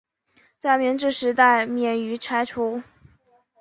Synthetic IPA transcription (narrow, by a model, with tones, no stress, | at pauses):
t͡sa˥˩ɪmjɛ˧˥nʈ͡ʂɻ̩˥˩ʂɻ̩˧˥t̪a˥˩ɪmjɛ˥˩ny˧˥ʈ͡ʂʰa˥ɪʈ͡ʂʰu˧˥